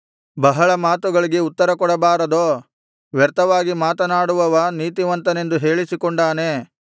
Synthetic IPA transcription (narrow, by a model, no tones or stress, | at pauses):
bɐɦɐɭɐmaːt̪uɡɐɭiɡe̞ut̪ːɐɾɐkɔɽɐbaːɾɐd̪oː | ʋjɐɾt̪ɐʋaːɡimaːt̪ɐnaːɽuʋɐʋɐniːt̪iʋɐnt̪ɐne̞nd̪uɦe̞ːɭisikoɳɖaːneː